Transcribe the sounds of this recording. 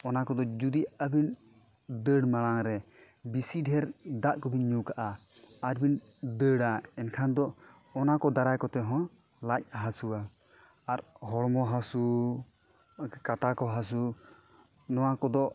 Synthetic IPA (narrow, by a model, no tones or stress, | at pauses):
ɔnakɔd̪ɔd͡ʒud̪iabin | d̪əɽmalaŋɾɛ | bisiɖʱɛɾd̪aʔkɔbinɲukaʔa | aɾbin | d̪əɽaɛnkʰand̪ɔː | nakɔd̪aɾajkɔt̪ɛɦɔ̃ | lac̚ɦasua | aɾɦɔɽmɔɦasu | kaʈakɔɦas̬u | nɔwakɔd̪ɔ